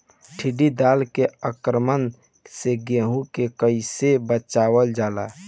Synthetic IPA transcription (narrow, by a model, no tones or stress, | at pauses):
ʈʰiɖid̪aːlkeəkɾəmən | seɡeɦũkekəɪsebət͡ʃawəld͡ʒaːla